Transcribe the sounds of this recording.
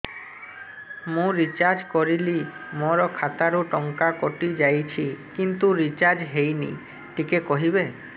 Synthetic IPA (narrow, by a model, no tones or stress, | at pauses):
mũɾit͡ʃaɾd͡ʒkɔɾili | moɾɔkʰat̪aɾuʈɔŋkakoʈid͡ʒajt͡ʃʰikint̪uɾit͡ʃaɾd͡ʒɦejnḭ | ʈikekoɦibe